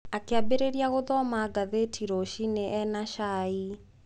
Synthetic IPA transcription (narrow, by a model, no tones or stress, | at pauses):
akeabeɾeɾiaɣoðɔmaɡaðetʰiɾoʃineʔɛnaʃai